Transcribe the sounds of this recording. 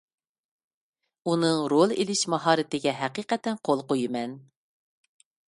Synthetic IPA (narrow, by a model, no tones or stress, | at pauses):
unɨŋɾolˠḛlɪʃmɑɦɑːɾɨt̪ɪɡʲɛɦæqiːqɛt̪ɛnqʰolˠqojɨmɛn